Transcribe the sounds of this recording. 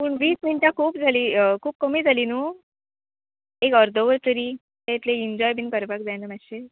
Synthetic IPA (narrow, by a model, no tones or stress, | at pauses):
puːɳʋiːsmiɳʈjakʰuːpd͡zʱaliːkʰuːp̚kəmiːd͡zʱalinuː | ekəɾd̪ʱəʋəɾt̪əɾiː | t̪et̪leiɲd͡ʑɔjbʱinkəɾpakd͡zajnəmaɕe